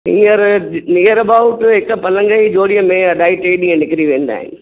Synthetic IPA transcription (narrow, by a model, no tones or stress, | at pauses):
ɪ̰ŋɡɐɾnijɐɾɐbɐʋʊʈːɛkːɐpɐlɐŋɡɐɪd͡ʒoːɽɪjɐmeːɐɖɐɪʈːeːɖɪŋɐnɪkːɪɾiʋeːɳɖ̪a̰ːj̰n